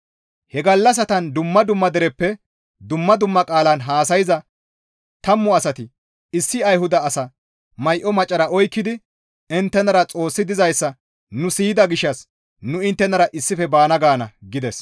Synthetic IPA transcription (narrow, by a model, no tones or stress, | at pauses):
hɛɡɐlːɐs̬ɐt̪ɐnd̪ʊmːɐd̪ʊmːɐd̪ɛɾɛpːɛ | d̪ʊmːɐd̪ʊmːɐkʼaːlɐnɦaːsɐjɪzɐ | t̪ɐmːɔɐsɐt̪ɪ | ɪsːɪɐjɦʊd̪ɐːsɐ | mɐjʔɔmɐt͡ʃʼːɐɾɐʔɔjkːɪd̪ɪ | ɪnt̪ːɛnɐɾɐt͡sʼo̞ːsːɪd̪ɪzɐjsːɐ | nʊsiːd̪ɐɡɪʃːɐs | nʊɪnt̪ːɛnɐɾɐʔɪsːɪfɛbaːnɐɡaːnɐɡɪd̪ɛs